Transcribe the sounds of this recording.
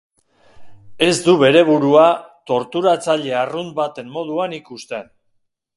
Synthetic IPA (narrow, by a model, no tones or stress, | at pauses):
e̞zd̪uβe̞ɾe̞β̞uɾuat̪o̞ɾt̪uɾat͡saʎe̞arunbat̪e̞mmo̞ðuanikust̪e̞n